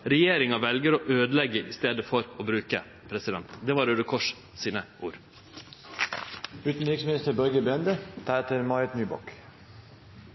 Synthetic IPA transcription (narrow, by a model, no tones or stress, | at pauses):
ɾɛjeːɾɪŋɑʋɛlɡəɾoːʔøːd̪əlɛɡəʔɪst̪eːd̪əfɔɾoːbɾʉːkə | pʰɾɛsɪd̪ɛnt̪d̪ɛːʋɑːɾʉd̪əkʰɔʂ | siːnəʔuːɾ | ʉːt̪n̩ɾɪksmɪnɪst̪əɾbœɾɡəbɛnd̪ət̪ʰɑet̪əɾmɑɪət̪nyːbɔ̰k